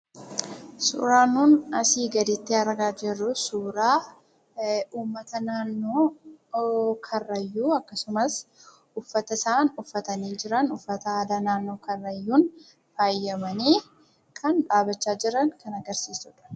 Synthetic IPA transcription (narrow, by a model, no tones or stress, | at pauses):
sṵːɾaːnuːnɐsiːɡɐd̪ɪt̪ːɪɐɾɡaːd͡ʒɛrːʊsuːɾaː | uːmːɐt̪ɐnaːnːoː | kʰɐrːɐjːuːɐkːɐsʊmɐs | ʊfːɐt̪ɐsaːnʊfːɐt̪ɐniːd͡ʒɪɾɐnʊfːɐt̪ɐaːd̪ɐnaːnːo̞ːkɐrːɐjːuːn | faːjːɐmɐniː | kʰɐnᶑaːbɐt͡ʃːaːd͡ʒɪɾɐnkɐnɐɡɐɾsiːsʊᶑɐ̥